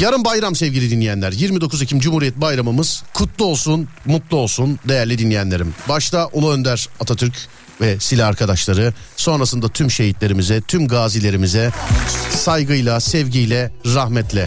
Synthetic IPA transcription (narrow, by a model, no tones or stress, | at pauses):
jaɾɯmbajɾamsɛvɟilʲid̪inːʲijænlʲæɾjiɾmid̪o̞kʰuzecʰimd͡ʒumhuɾijɛt̪̚bajɾamɯmɯz̥kʰut̪lˠuo̞lˠsunmut̪lˠuo̞lˠsund̪e̞jæɾlʲid̪inlʲːijænlʲe̞ɾimbaʃt̪ʰaʔolˠuø̞nd̪æɾ̥at̪ʰat̪ʰyɾc | vɛsilʲaaɾkʰad̪aʃlˠaɾɯso̞nɾasɯnd̪at̪ʰymʃe̞ɦit̪lʲe̞ɾimizɛt̪ʰymɡaːzilʲe̞ɾimizɛ | sajɡɯjlˠasɛvɟijlʲɛɾaxmɛt̪lʲɛ